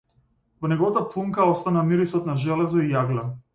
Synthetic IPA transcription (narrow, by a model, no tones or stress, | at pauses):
vɔnɛɡɔvat̪aplˠuŋkaɔst̪anamiɾisɔt̪naʒɛlɛzɔijaɡlʲa